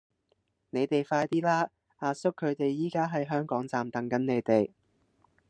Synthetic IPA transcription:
ne˨˧jt̪e˨jfaː˧jt̪iː˥laː˥ | aː˧sʊ˥kʰːɵ˨˧ɥt̪e˨jːiː˨˥kaː˥ɦɐ˨˥jɦœː˥ŋkɔː˨˥ŋt͡saː˨mt̪ɐ˨˥ŋkɐ˨˥nne˨˧jt̪e˨j

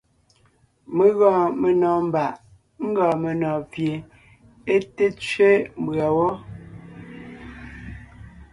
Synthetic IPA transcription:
me˨ɣɔ̃ː˨me˨nɔː˨m̩˨ba˨ʔ | ŋ̩˦ɡɔ̃ː˨me˨nɔ̃ː˨vje˨ | e˦te˦t͡sɥe˦m̩˦bɰa˨wɔ˦

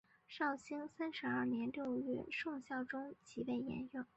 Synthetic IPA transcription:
ʂɑ˥˩ʊɕi˥ŋsa˥nʂɻ̩˧˥ɐ˞˥˩njɛ˧˥nljo˥˧ʊɥɛ˥˩ʂʊ˥˧ŋɕjɑ˥˩ʊʈ͡ʂʊ˥ŋt͡ɕi˧˥pe˥˩ɪjɛ̰˧˥njʊ˥˩

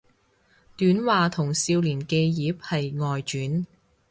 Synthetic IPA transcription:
t̪yː˨˥nwaː˨t̪ʰʊ˨˩ŋsiː˧wliː˨˩nke˧jjiː˨˧˥p̚hɐ˨jŋɔː˨jt͡ʃyː˨˥n

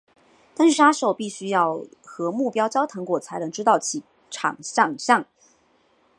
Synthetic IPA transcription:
t̪ə˥n̩˥˧˩ʂa˥ʂo˨˩ʊpi˥˩ɕy˥jɑ˥˩ʊxɤ˧˥mu˥˩pjɑ˥ʊt͡ɕjɑ˥ʊt̪ʰɤ˧˥ŋkwɔ˨˩t͡sʰa˧˥ɪlə˧˥ŋʈ͡ʂɻ̩˥t̪ɑ˥˩ʊt͡ɕʰi˧˨˥ | ʈ͡ʂʰɑ̰˨˩ŋɕjɑ˥˩ŋɕjɑ˥˩ŋ

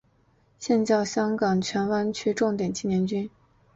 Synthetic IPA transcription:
ɕjɛ˥˧nt͡ɕjɑ˥˩ʊɕjɑ˥ŋkɑ˨˩ŋt͡ɕʰɥɛ˧˥nwa˥nt͡ɕʰy˥ʈ͡ʂʊ˥˩ŋt̪jɛ˨˩nt͡ɕʰi˥˩njɛ˧˥nt͡ɕy˥n

